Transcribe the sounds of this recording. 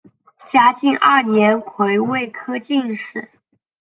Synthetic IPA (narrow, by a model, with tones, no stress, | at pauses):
t͡ɕja˥t͡ɕi˥˧nʔɐ˞˥˩njɛ˧˥nkʰwe˧˥ɪwe˥˩ɪkʰɤ˥t͡ɕi˥˧nʂɻ̩˥˩